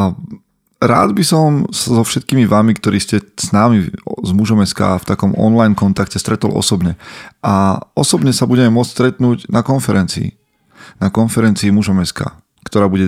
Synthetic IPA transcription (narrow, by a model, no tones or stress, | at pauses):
ɾa̰ːd̪bisɔmsazɔfʃɛt̪̚kiːmiʋaːmikt̪ɔɾiːscɛsnaːmizmuʒɔmɛska̰ːft̪akɔmɔ̰nlajnkɔnt̪akcɛst̪ɾʔɛt̪ɔ̰lˠʔɔ̰sɔbɲɛʔaɔsɔbɲɛsabuɟɛmɛmʊɔt͡sst̪ɾɛt̪nuːɟnakɔnfɛɾɛnt͡sḭː | nakɔnfɛɾɛnt͡siːmuʒɔmɛska̰ː | kt̪ɔɾaːbuɟɛ